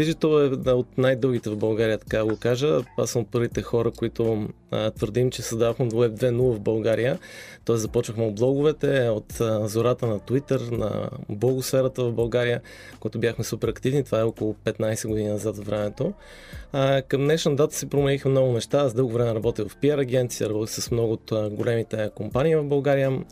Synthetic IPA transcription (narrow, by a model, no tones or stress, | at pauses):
iʒit̪oɛot̪najd̪ɤlˠɡ̟it̪ɛvvbɐlˠɡaɾijət̪ɐ̥kad̪əɡokaʒəasəmot̪̚pɤɾvit̪ɛxɔɾəkoit̪o | t̪vəɾd̪imt͡ʃɛsɐzd̪aðoxmɛwɛb̚d̪vɛnulˠəvbɐlˠɡaɾijət̪ɔɛszɐpɔt͡ʃvəxmɛod̪̚blˠɔɡʊvɛt̪ɛot̪zoɾat̪ənɐt̪it̪əɾnɐ̰blˠɔɡʊsfɛɾət̪əvɐvbɐlˠɡaɾijə | kojat̪ʊbjaxmɛsupɛɾɐkt̪ivnit̪ovaɛɔkʊlˠʊpɛt̪najsɛɡʊd̪ininɐzat̪vvɾɛmɛt̪o | kəmnɛʃnəd̪at̪ə̥sɛpɾomɛlixɛmnɔɡʊnɛʃt̪azd̪ɤlˠɡovɾɛmɛɾɐbɔt̪ivɐfpiɛɾɐɡɛnt̪sijəɾɐbɔt̪i̥sɛsmnɔɡʊot̪ɡolɛmit̪ɛkompaniːvɐvbɐlˠɡaɾijə